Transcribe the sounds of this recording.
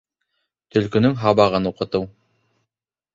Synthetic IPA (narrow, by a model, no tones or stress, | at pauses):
t̪ɵ̆lkɵ̆nɵŋɦɑβɑʁɤnuqɤ̆t̪ɤw